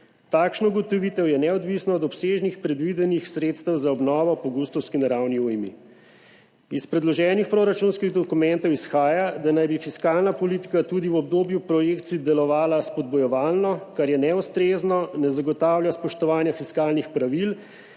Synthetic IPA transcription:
t̪aːkʃnɔuɡɔt̪ɔʋit̪ɛwjɛnɛɔd̪ʋisnɔːd̪ɔpseːʒnixpɾɛd̪ʋid̪ɛnixsɾeːt̪st̪əwzaɔbnɔːʋɔpɔɡust̪ɔwskinaɾawniujmḭ | ispɾɛd̪lɔʒɛːnixpɾoɾat͡ʃunskiɣd̪ɔkumɛnt̪ɔwisxaːjad̪anajbifiskalnapɔlit̪i̥kat̪uːd̪iwɔb̚d̪oːbjupɾɔjeːkt̪sid̪ɛlɔʋaːlaspɔd̪̚bɔjɔʋaːlnɔkaɾjɛnɛwst̪ɾeznɔnɛzaɡɔt̪aːwljaspɔʃt̪ɔʋaːnjafiskaːlnixpɾaʋil

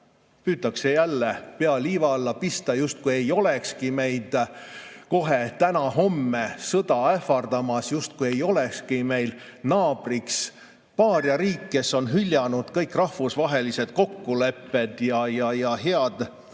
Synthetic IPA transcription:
pyːt̪ːˑɑkse̞jælːepeɑliːvɑlːɑpist̪ɑjust̪̚kue̞jo̞le̞kskime̞jd̪̥ | ko̞ɦe̞t̪ænɑɦo̞mːesɤd̪̥ɑefɑrd̪ɑmɑsjust̪̚kuje̞jo̞lekskime̞jlnɑːb̥riks | pɑːrjɑɾiːkːe̞sːo̞nɦylʲjɑnud̪̥kɤjkːˑrɑhfusvɑɦe̞lise̞d̪̥ko̞kːule̞pːe̞d̪̥jɑjɑjɑɦeɑd̪̥

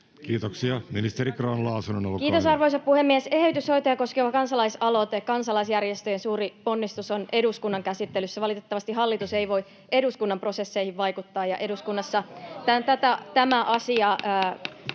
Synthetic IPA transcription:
kiːt̪oksiɑminist̪eɾikrɑːnlɑusunono̰lukiːt̪o̞sɑrʋoisɑppuhemːiesehyt̪ysho̞it̪ojɑko̞skeʋɑkɑnsɑlɑisɑlot̪ekɑnsɑlɑisjærjest̪øjensuːriponːist̪usonʔe̞duskunːɑŋkæsit̪ːelysːæʋɑlit̪et̪ːɑʋɑst̪iɦɑlːit̪useiʋo̞i | e̞duskunːɑmpro̞se̞sːeihiʋʋɑikut̪ːɑːjɑʔe̞duskunːɑsːɑt̪æt̪æt̪æt̪æmæʔɑsiɑː

